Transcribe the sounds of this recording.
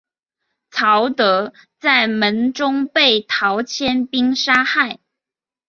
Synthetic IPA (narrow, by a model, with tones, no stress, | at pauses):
t͡sʰɑ˨˧˥ʊt̪ɤ˧˥ | t͡sa˥˩ɪmə˨˧˥nʈ͡ʂʊ˥ŋpe˥˩ɪt̪ʰɑ˧˥ʊt͡ɕʰjɛ˥npi˥ŋʂa˥xa˥˩ɪ